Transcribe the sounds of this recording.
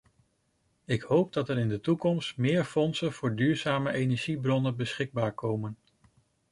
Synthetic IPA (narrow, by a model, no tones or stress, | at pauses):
ɪkhowp̚dɑtɛɾɪndətukɔmstmɪːɹfɔnsənv̥ʊːɹdyːɹzaːməʔejnɛɹʒibrɔnənbəsχɪɡ̚baːɹkowmən